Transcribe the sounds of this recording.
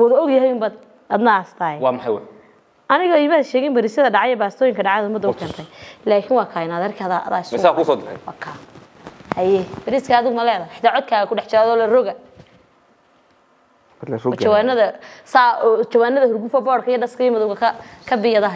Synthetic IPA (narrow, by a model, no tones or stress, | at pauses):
wɐðɐɔɡjɐɦɛjʊmbaːd̪ | ɐd̪nɐst̪ʰaːɛwɑːmɐħajwa̰j | ɐnɪɣɐɪmaːʃɛːɣɛmbɐɾiːsɐðɐɖɑʕɑjɛbaːst̪ʰɔːjɪŋkʰɐɖɑʕaðɐʊmɐd̪ːɐʊkʰɛːnt̪ʰɐjlaːkʰɪnwɑːkʰaːjɪnaːðɐrkʰiɐðaɐ̰ðaːɪsksaːksɔːd̪ɪɾɛ̰jwɑːkʰaː | hɐjɛbɐɾiːskʰaːðʊɣʊmɐlɛːðɐħɪ̥t̪ʰaːʕɔd̪̚kʰaːɣɐkʰʊɖɛħt͡ʃɐaːðɔːlɐrɔɣɐ | lɔt͡ʃɐwaːnɐðɐsat͡ʃɐwaːnːɐðɐhʊrɡufɐbɔːrkʰɐijɐɖɐskʰɐjmɐðɔwɡɐkʰɐkʰɐbɪjɐðɐɦ